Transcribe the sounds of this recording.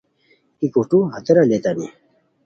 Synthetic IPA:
ikoʈuɦɐt̪eɾalet̪anḭ

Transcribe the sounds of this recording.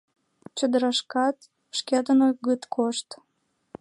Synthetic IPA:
t͡ɕəd̪əɾɑʃkɑt̪ | ʃkʲɑd̪ənoɣət̪kʰoʃt̪

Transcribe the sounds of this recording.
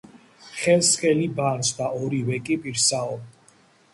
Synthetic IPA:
χɛlˠsχʼɛlibansd̪aɔɾiwɛkʼipʼiɾsaɔ

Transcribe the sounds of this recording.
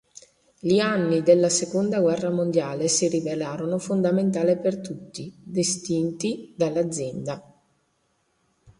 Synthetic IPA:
ʎianːid̪elːasekond̪aɡwɛrːamond̪jaːlesiɾivelaːɾonofond̪ament̪̬aːlepert̪ut̪ːid̪est̪int̪id̪alːad̪zːjɛnd̪a

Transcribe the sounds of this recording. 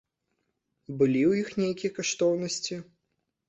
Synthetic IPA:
bɨlʲiwjixnʲejkʲijɐkaʂt̪ɔwnɐsʲt͡sʲi

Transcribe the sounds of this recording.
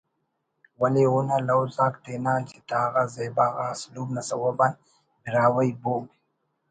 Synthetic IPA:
waleunalawzakt̪enat͡ʃit̪aɣazebaɣaːslubnasawaban | biɾaːwajbo

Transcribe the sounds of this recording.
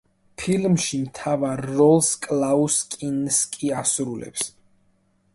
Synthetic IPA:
pʰilmʃimt̪ʰavaɾːɔlˠskʼlauskʼinskʼiasɾulɛ̰ps

